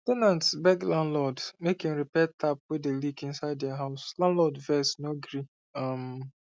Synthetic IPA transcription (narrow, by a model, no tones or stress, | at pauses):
tɛnãntsbɛɡlãnlɔdmekɪ̃ŋɹipɛtʰap̚wedelikĩnsaɪd̚dɛaɦaʊslãndlɔdvɛsnoɡɹi | ʌm